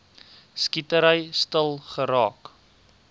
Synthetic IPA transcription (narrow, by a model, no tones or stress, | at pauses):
skitəɾəjstəlˠχəɾɑːk